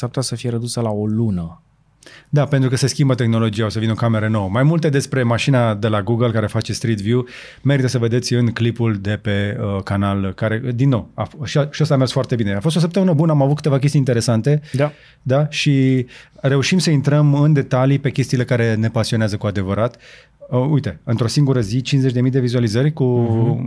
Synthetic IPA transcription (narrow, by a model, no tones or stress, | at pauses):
sap̚t̪asəfijeɾəd̪usəlao̞lunə | d̪ape̞nt̪ɾukəse̞skʲimbət̪e̞xno̞lo̞d͡ʒijaosəvineo̞kameɾəno̞wəmajmult̪e̞d̪e̞spɾe̞maʃinad̪e̞laɡuɡəlkaɾe̞fat͡ʃe̞st̪ɾit̪vju | me̞ɾit̪əsəve̞d̪e̞t̪sʲɨnklipuld̪e̞pe̞əkanalkaɾe̞d̪inːo̞wafʃiʃiost̪amersfoart̪e̞bine̞afost̪os̬əpt̪əmɨnəbunəamavut̪kɨ̥t̪e̞vak̬ʲe̞st̪int̪eɾe̞sant̪e̞ | d̪aʃi | re̞uʃimsəint̪ɾəmɨnd̪e̞t̪alipe̞kʲest̪iːle̞kaɾe̞ne̞pasioeazəkuad̪e̞vəɾat̪ | ujt̪e̞ɨnt̪ɾo̞siŋɡuɾəzit͡ʃinzet͡ʃʲd̪emijd̪e̞vizualizərʲku